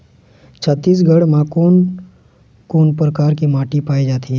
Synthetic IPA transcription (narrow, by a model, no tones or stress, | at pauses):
t͡ʃʰət̪ːiːs̬ɡʱəɽmãkon | koːnpɾəkaɾkimaʈipaid͡ʒat̪ʰi